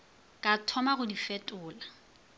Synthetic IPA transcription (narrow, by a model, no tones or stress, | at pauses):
kʼatʰɔmaɣʊdifɛtʼʊːla